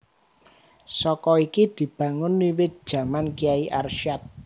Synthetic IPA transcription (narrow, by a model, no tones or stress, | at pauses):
sɔkɔikid̪̥i̤b̥ä̤ŋʊnːiwɪt̪̚d̥ʒ̥ä̤mankiaiʔarʃat̪̚